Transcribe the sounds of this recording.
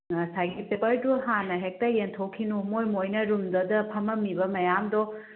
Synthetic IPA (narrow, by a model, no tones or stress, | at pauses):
sajɡipepɐɾduɦanɐɦek̚tɐentʰowkʰːinumojmojnɐɾumd̪ɐdɐpʰɐmɐmibɐmɐjamdɔ